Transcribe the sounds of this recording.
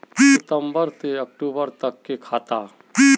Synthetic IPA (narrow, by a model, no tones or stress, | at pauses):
it̪ə̃mbəɾt̪eɐk̚ʈuːbəɾt̪əkːekʰaːt̪aː | i